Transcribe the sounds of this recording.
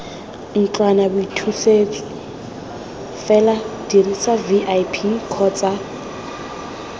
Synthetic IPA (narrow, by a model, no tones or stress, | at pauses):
ŋ̩t͡ɬanabutʰusei | fɛlad̥irisaviʔajpʰikʰɔːt͡sʼa